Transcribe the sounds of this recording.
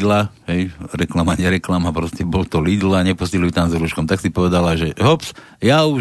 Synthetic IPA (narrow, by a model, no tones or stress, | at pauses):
d̪laɦɛjɾɛklamaɲɛɾɛklamapɾɔscɛbɔlt̪ɔlid̪laɲɛpɔscɛluit̪amzɾuːʃkɔmt̪aksipɔʋɛd̪alaʒɛɦɔps | jau